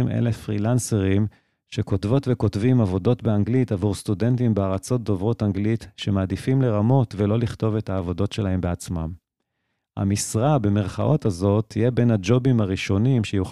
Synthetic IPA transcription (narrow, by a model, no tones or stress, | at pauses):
imʔḛlefʁilanseʁim | ʃe̞ko̞tvo̞tve̞ko̞tvimavo̞do̞tbe̞aŋɡlitavuʁst̪ude̞ntimbeaʁat͡so̞t̚do̞vʁo̞taŋɡlitʃe̞maːd̪ifimle̞ʁamo̞tvelo̞liχt̪o̞ve̞thaːvo̞do̞tʃe̞laɦe̞mbeat͡sma̰m | a̰misʁabe̞me̞ʁχaʔo̞tazo̞t̪ʰːijebe̞nad͡ʒo̞bimaʁiʃo̞nimʃejuχ